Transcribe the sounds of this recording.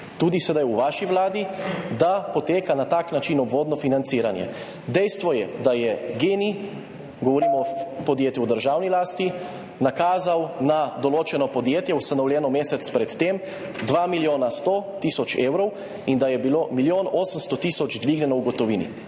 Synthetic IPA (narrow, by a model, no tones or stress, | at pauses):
t̪uːd̪isɛd̪ajuʋaːʃiʋlaːd̪id̪apɔt̪eːkanat̪aknat͡ʃinɔbʋoːd̪nɔfinant̪siːɾanjɛ̰ | d̪ɛjst̪ʋɔjɛd̪ajɛɡeːni | ɡɔʋɔɾiːmɔpɔd̪jeːt̪juwd̪əɾʒawnilaːst̪i | nakaːzawnad̪ɔloːt͡ʃɛnɔpɔd̪jeːt̪jɛwst̪anɔwljɛnɔmeːsɛt̪spɾɛt̪ːem | d̪ʋaːmiljoːnast̪oːt̪iːsɔt͡ʃeːwɾɔw | ind̪ajɛbiloːmiljoːnoːsəmst̪ɔt̪iːsɔd͡ʒd̪ʋiɡnʲjɛnɔwɡɔt̪ɔʋiːnḭ